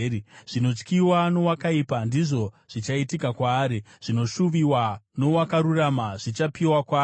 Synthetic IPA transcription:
iʐ̥ino̞t͡ʃkiwano̞wakaiːpandiʐo̞ | ʐ̥it͡ʃaitikakwaːɾi | ʐ̥ino̞ʃuʋiwano̞wakaɾuramaʐit͡ʃapiwakwaː

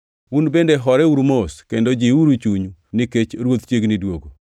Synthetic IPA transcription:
unbendeɦɔɾɛuɾmoskendod͡ʒiuɾut͡ʃuɲunɪket͡ʃɾwot̪t͡ʃjeɡnɪdwoɡo

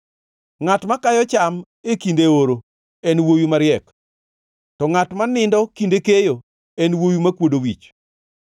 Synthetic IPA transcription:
ŋatmakajɔt͡ʃam | ekindeoɾo | ɛnwojumaɾɪɛk | tɔŋatmanɪndɔkindekejo | ɛnwojumakwodowit͡ʃ

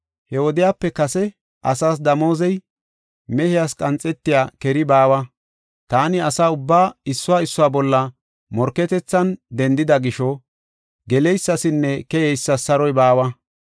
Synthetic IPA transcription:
hɛwɔd̪ɪjaːpːɛkɐsɛ | ʔɐ̰saːs̬d̪ɐmo̞ːzɛj | mɛhɪjaskʼɐnt͡sʼːɛt̪ːɪjaːkɛɾɪbaːwɐ | t̪aːnɪɐsaːʊbːaːɪsːʊwaːɪsːʊwaːbɔlːɐ | mɔɾkːɛt̪ɛt͡sːɐnd̪ɛnd̪ɪd̪ɐɡɪʃɔ | ɡɛlɛjsːɐsɪnːɛkɛjɛjsːɐsɐɾɔjbaːwɐ

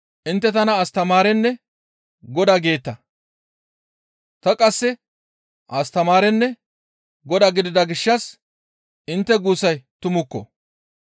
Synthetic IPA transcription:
ʔɪnt̪ːɛt̪ɐnɐːst̪ɐmaːɾɛnːɛ | ɡɔd̪aɡe̞ːt̪ːɐ | t̪ɐkʼɐsːɛ | ʔɐst̪ɐmaːɾɛnːɛ | ɡɔd̪aːɡɪd̪ɪd̪ɐɡɪʃːɐs | ʔɪnt̪ːɛɡuːsɐjt̪ʊmʊkːɔ̰

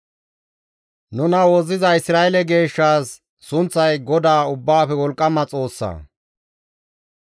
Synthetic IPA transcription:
nʊnɐwɔzɪzɐɪsɾaːɛlɛɡe̞ːʃːaːsː | ʊnt͡sːɐjɡɔd̪aːʊbːaːfɛwɔlkʼːɐmɐt͡sʼo̞ːsːɐ̰ː

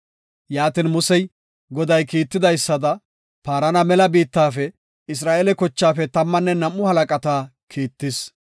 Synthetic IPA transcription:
jaːt̪inmʊsɛj | ɡɔd̪ɐjkiːt̪ːɪd̪ɐjsːɐd̪ɐ | paːɾɐnɐmɛlɐbiːt̪ːaːfɛ | ɪs̬ɾaːʔelɛkɔt͡ʃːaːfɛt̪ɐmːɐnːɛnɐmːʊhɐlɐkʼɐt̪aː | kʰiːt̪ːɪs

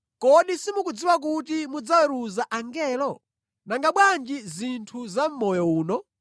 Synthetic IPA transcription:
kɔɗisimukud͡ziwak̬ut̬imud͡zawɛɾuzaʔaŋɡɛːlɔ | naŋɡaɓwand͡ʒizintʰuzam̩mɔjɔuːnɔ

